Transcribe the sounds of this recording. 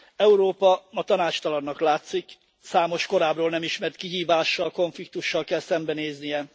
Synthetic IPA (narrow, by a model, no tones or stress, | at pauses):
ɛuɾoːpɒmɒt̪ɒnaːt͡ʃt̪ɒlɒnːɒklaːt̪sik | saːmo̞ʃko̞ɾaːbroːlnɛmiʃmɛrt̪kiɦiːvaːʃːɒlko̞ɱflik̚t̪uʃːɒlkɛlsɛmbɛneːznijɛ